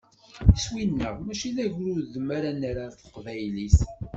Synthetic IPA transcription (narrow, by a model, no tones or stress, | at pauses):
iswinːə̰ʁmæʃiðæʝɾʊɾðəmːaɾænaɾaɾθə̥qvæjlis